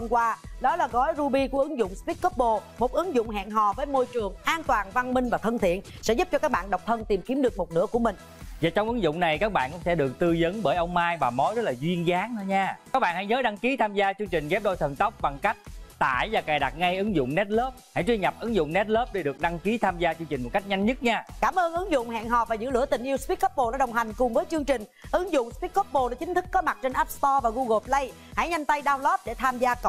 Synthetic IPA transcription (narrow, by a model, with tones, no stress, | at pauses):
ə˧mkwaː˧ɗɔ˨˦laː˨˩ɣɔ˨˦jzu˧ɓi˧ku˧˩əʔɨ˨˦ŋzʊ̰˧˨wŋ͡mspi˦˥t̚kə˦˥p̚ɓo˧˩mo˨˩t̚ʔɨ˨˦ŋzʊ̰˧˨wŋ͡mɦa̰ː˧˨nɦɔ˧˨˩vəː˨˦jmo˧jt͡ɕɨ˨˩əŋʔaː˧nt̪waː˨˩nva˧nmï˧ŋ̟vaː˨˩t̪ʰə˧nt̪ʰḭ˧˨ənsɛ̰˧˥zʊ˦˥p̚t͡ɕɔ˧kaː˦˥k̚ɓa̰ː˧˨nɗə˨˩w̚k͡p̚t̪ʰə˧nt̪i˨˩mki˨˦əmɗɨ˨˩ək̚mo˨˩t̚nɨ̰˧˥əku˧˩əmï˨˩ŋ̟ | zaː˨˩t͡ɕɔ˧wŋ͡mʔɨ˨˦ŋzʊ̰˧˨ŋ͡mna˨˩jkaː˦˥k̚ɓa̰ː˧˨nkʊ̰˧˥ŋ͡msʰɛ̰˧˥˩ɗɨ˨˩ək̚t̪ɨ˧zə˨˦nɓəː˧˩jʔə˧wŋ͡mmaː˧jvaː˨˩mo˨˦jzə˦˥t̚laː˨˩zwi˧ənzaː˨˦ŋnə˨˦ɲaː˧a˦˥k̚ɓa̰ː˧˨nha˧˥jɲəː˨˦ɗa˧ŋki˨˦t̪ʰaː˧mzaː˧t͡ɕɨ˧əŋt͡ɕï˨˩ŋ̟ɣɛ˦˥p̚ɗo˧jt̪ʰə˨˩nt̪ə˦˥wk͡p̚ɓa˨˩ŋka˦˥jk̚t̪a̰ː˧˩˨jvaː˨˩kaː˨˩jɗa˨˩t̚ŋa˧jʔɨ˨˦ŋzʊ̰˧˨ŋ͡mnɛ˦˥t̚ləː˦˥p̚ha̰˧˥jt͡ɕwi˧ŋɲa˨˩p̚ʔɨ˨˦ŋzʊ̰˧˨ŋ͡mnɛ˦˥t̚ləː˦˥p̚ɗe˧˩ɗɨ˨˩ək̚ɗa˧ŋki˨˦t̪ʰaː˧mzaː˧t͡ɕɨ˧ŋt͡ɕi˨˩ŋ̟mo˨˩t̚ka˦˥k̚ɲa˧jŋ̟ɲə˦˥t̚ɲaː˧kaː˧˩mʔəː˧nʔɨ˨˦ŋzʊ̰˧˨ŋ͡mhɛ̰ː˧˨nɦɔ˨˩vaː˨˩zɨ̰˧˥lɨ̰˧˥ət̪ï˨˩ŋ̟ʔi˧wspi˦˥t̚kɔ˦˥p̚ɓo˨˧˩ɗaː˨˩ɗə˨˩wŋ͡mɦa˨˩jŋ̟kʊ˨˩ŋ͡mvəː˨˦jt͡ɕɨ˧əŋt͡ɕï˨˩ŋ̟ʔɨ˨˦ŋzʊ̰˧˨ŋ͡mspi˦˥t̚kːɔ˦˥p̚ɓo˧˩ɗə˧˩t͡ɕï˨˦ŋ̟t̪ʰɨ˦˥kːɔ˨˦ma˨˩t̚t͡ɕe˧nʔaː˦˥p̚st̪ɔ˧vaː˨˩ɣu˧ɣo˨˩plə˧j | ha̰˧˥jɲa˧jŋ̟t̪a˧jɗaː˧wlɔ˦˥p̚ɗe˧˩t̪ʰaː˧mzaː˧k